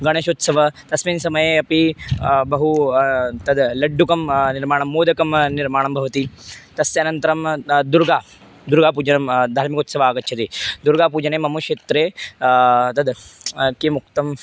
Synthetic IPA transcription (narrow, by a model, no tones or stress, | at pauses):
ɡɐɽ̃ɐɕoːt̪sɐʋɐt̪ɐsmiːnsɐmɐjeɐpibɐɦu | t̪ɐd̪lɐɖːukɐmniɾmaːɳ̃ɐmːoːd̪ʱɐkɐmniɾmaːɳ̃ɐmbʱɐʋɐt̪it̪ɐseɐnɐnt̪ɐɾɐmd̪uɾɡaː | d̪uɾɡaːpuːd͡ʒɐnɐmd̪ʱaːɾmikot̪sɐʋaːɡɐt̪ːt͡ʃʰɐt̪id̪uɾɡap̬uːd͡ʒɐnemɐmuʂeːt̪ɾe | t̪ɐd̪kimuk̚t̪ɐm